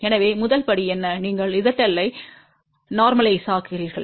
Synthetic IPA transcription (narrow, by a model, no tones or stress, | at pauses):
ɛnɐʋeːmʊðɐlpɐɽiɛnːɐniːŋɡɐɭɪðɐʈːɐlːɐɪ | naːɾmɐlɐɪsaːkɯɪriːɾɣɐɭ